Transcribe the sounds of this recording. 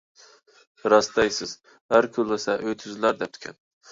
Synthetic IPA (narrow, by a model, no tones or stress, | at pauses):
ɾɑst̪ɑjsɪz̥ | hæɾkʲʰʊlˠːɪsɛʔøjt̪ʰyzlæɾd̪ɛp̚t̪ʰy̥kʲʰɛ̰n